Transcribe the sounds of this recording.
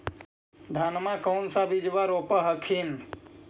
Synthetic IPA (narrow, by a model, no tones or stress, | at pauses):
d̪ʱanmãkɔwnsabid͡ʒʋaɾopəɦəkʰin